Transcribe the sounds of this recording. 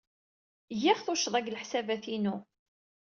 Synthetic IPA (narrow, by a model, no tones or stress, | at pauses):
jiʁθʊʃðˤæɡlħsævæθinu